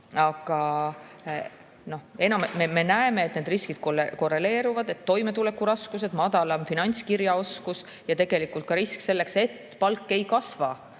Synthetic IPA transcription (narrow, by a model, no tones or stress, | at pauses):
ɑɡ̥ɑ | no̞he̞nɑmmeme̞næeme̞ːt̪neːd̪riskid̪̥̚koleko̞rːe̞le̞ːɾuvɑd̪e̞t̪ːo̞jme̞t̪ule̞kːˑuɾɑskus̬e̞d̪̥mɑd̪̥ɑlɑmfinɑnʲskiɾjɑo̞skus | jɑt̪e̞ɡ̥e̞likːˑult̪̚kɑɾiskse̞lːe̞kse̞t̪ːpɑlkːe̞jkɑsvɑ